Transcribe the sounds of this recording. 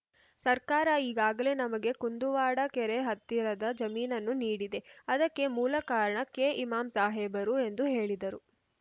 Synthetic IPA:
sɐɾkaːɾɐiːɡaːɡɐle̞nɐmɐɡe̞kund̪uʋaːɽɐkɛɾeɦɐt̪ːiɾɐd̪ɐd͡ʒɐmiːnɐnːuniːɽid̪e̞ɐd̪ɐkːe̞muːlɐkaːɾɐɳɐkːe̞ʔimaːmsaːɦeːbɐɾue̞nd̪uɦe̞ːɭid̪ɐɾu

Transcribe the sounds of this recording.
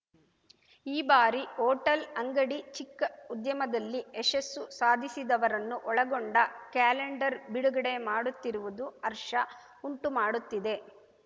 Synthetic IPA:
iːbaːɾioːʈɐlɐŋɡɐɽit͡ʃikːɐud̪jɐmɐd̪ɐlːiesɐsːusaːd̪ʱisid̪ɐʋɐɾɐnːuʔɔɭɐɡoɳɖɐkaːleɳɖɐɾbiɽuɡɐɽemaːɽut̪ːiɾuʋud̪uɐɾʂɐ | uɳʈumaːɽut̪ːid̪e̞

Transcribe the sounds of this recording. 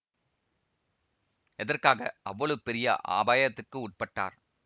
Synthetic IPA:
ɛðɐrkaːɣɐ̰ʔɐʋːɐɭɯpɛɾɪjɐ̰ʔa̰ːbaːjɐt̪ːɯkːɯʊʈ̚pɐʈːa̰ːɾ

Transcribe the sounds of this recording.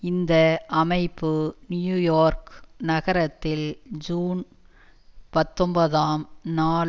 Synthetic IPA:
ɪnd̪ɐʔɐmɐɪpːɯnɪjuːjoːɾknɐɣɐɾɐt̪ːɪld͡ʒuːn | pɐt̪ːɔmbɐðaːmnaːɭ

